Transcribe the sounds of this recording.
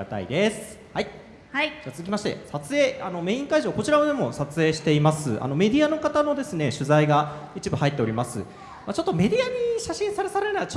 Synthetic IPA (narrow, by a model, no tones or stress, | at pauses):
at̪a̰ḭd̪e̞sɨ̥hai | haid͡ʑaːt͡sɨz̥ɨkʲimaɕi̥t̪e̞̰sat͡sɨe̞ːano̞me̞ĩŋkaiʑo̞ːko̞t͡ɕiɾamod̪emo̞sat͡sɨe̞ːɕi̥t̪e̞imasɨ̰ʔa̰no̞me̞d̪ʲiano̞kat̪ano̞d̪e̞sɨne̞ɕɨzaiɡait͡ɕibɯ̟hait̪ːeo̞ɾʲimasɨ̰ | mat͡ɕo̞t̪ːo̞me̞d̪ʲiaɲ̟iɕaɕĩɰ̃saɾe̞saɾenat͡ɕo